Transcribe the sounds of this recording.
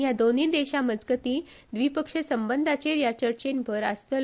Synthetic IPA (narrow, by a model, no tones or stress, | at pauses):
jad̪oniːd̪eɕaməd͡zɡət̪iː | d̪ʋipəkʂəsəmbənd̪ʱat͡ɕeɾjat͡ɕəɾt͡ɕenbʱəɾə̰st̪əl